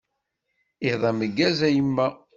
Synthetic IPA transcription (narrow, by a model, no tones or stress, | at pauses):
iðˤɑməɡːæzæjəmːæ